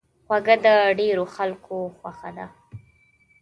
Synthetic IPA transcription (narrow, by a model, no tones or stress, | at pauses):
xwaɡəd̪əɖeɾoxalkʰoxwaxad̪a